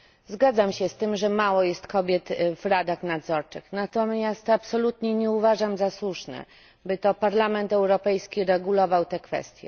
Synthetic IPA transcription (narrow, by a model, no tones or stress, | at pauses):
zɡad̪zamɕɛst̪ɘmʐɛmawɔjɛst̪kɔbʲjɛt̪vɾad̪axnad̪zɔɾt͡ʂɘxnat̪ɔmʲjast̪apsɔlut̪ɲɛɲɛuvaʐamzaswuʂnɛ̰ | bɘt̪ɔpaɾlamɛnt̪ɛwɾɔpɛjskʲiɾɛɡulɔvawt̪ɛkfɛ̰st̪ʲjɛ̰